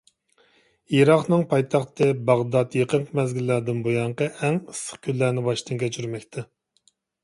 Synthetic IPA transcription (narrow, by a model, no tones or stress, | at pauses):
iɾɑqnɨŋpʰɑjt̪ʰɑχt̪ʰɨbɑʁd̪ɑt̪jeqəɴqʰmɛzɡʲilːæːd̪ɪnbojɑɴqɑʔæŋisːə̥χkʲʰylːænɪbɑʃt̪ʰɨŋkʲʰɛt͡ʃʰyɾmɛkʲt̪ʰɛ